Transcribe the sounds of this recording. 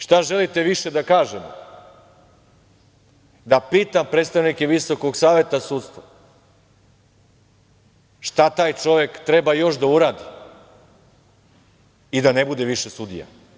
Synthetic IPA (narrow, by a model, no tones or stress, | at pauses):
ʃt̪aʒe̞lit̪e̞ʋiʃe̞d̪akaːʒemo̰ | d̪apiːt̪ampɾet̪st̪aʋnikeʋiso̞koɡsaːʋe̞t̪asuːt̪st̪ʋa | ʃt̪at̪aːjt͡ʃo̞ʋe̞kt̪ɾebajo̞ʃ̬d̪auɾaːd̪i | id̪anebud̪eʋiʃesud̪ḭja̰